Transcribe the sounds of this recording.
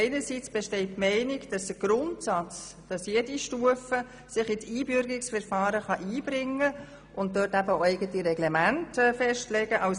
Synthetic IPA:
ɪnəɾsit͡sb̥ɛʃtɛɪt̚mɛɪnɪɡd̥ɑsd̥əɡ̥ɾʊntsɑt͡sd̥ɑsjediʃtuəfə | sɪχɪtiːbʏɾɡɪksfɛɾfɑːɾəχɑʔiːb̥ɾɪŋːə | ʔʊnt̚døːtæbəoɛɪɡətiɾɛɡlɛmæntːfɛʃtlɛɡ̥əʔɑʊs

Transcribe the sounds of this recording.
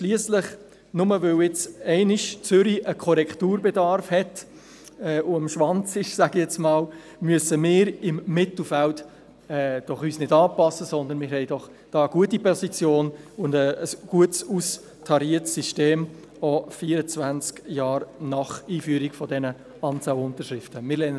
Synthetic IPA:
ʃliəsləχ | nʊməvøwɪt͡sɛɪnɪʃt͡sʏɾiʔəkʰɔɾɛkχtuːɾbɛdɑɾfhɛt | ɛːʔʊəmʃʋɑnt͡sɪʃsæɡijɛt͡smɑːl | myəsəmɪːɾɪmːɪtl̩fælt | ɛːd̥ɔχyːsnɪdɑːpɑsːəsɔnd̪ənmɪːɾɦɛɪdɔχ | d̥ɑːəɡ̥uətipʰɔsit͡sjoːnʊndəːsɡ̥uətsus | tʰɑɾiətssiʃteːm | ɔfiːəɾət͡svænt͡skjɑːɾnɑχiːfyəɾiɡ̥fɔdɛnə | ɑnt͡sɑʊwʊntəʃɾɪftəmɪɾlɛ

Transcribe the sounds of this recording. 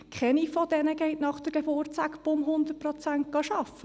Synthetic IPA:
kʰχɛnifɔd̪ɛnəɡɛɪtnɑχd̥̪əɾɡ̥ɛboːrt͡sækbʊmɦʊnd̪ətpɾɔt͡sænt̚ɡ̥ɑʃɑfːə

